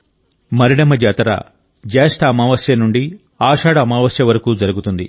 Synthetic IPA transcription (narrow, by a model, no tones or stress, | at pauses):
mɐɾiɽɐmɐd͡ʒɐːt̪ɐɾa̰ | d͡ʒɛːʂʈɐːmaːʋɐsjɐnuɳɖi | aːʂaːɽɐːmaːʋɐsjɐʋɐɾɐkuːd͡ʒɐɾuɡut̪und̪i